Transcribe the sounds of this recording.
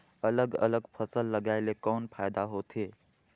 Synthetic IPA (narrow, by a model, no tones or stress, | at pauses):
ələɡə̰ləɡpʰəsəlːəɡaːɪlekɔːnpʰaːjd̪aɦoːt̪ʰɦeː